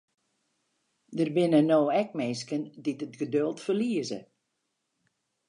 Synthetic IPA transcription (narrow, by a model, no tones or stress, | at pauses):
dərbɪnənoːɛk̚meːskənditətɡədølˠtfərliəzə̰